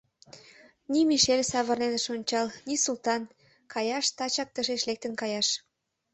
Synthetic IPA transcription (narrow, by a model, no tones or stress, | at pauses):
nimiʃelʲsɑβə̆rnenəʃonʲt͡ɕɑlnisult̪ɑn | kʰɑjɑʃt̪ɑt͡ɕɑk̚t̪əʃeʃlek̚t̪ənkɑjɑʃ